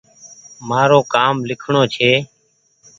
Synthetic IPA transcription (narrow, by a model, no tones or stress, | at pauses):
maːɾoːkaːmlɪkʰɳoːt͡ʃʰeː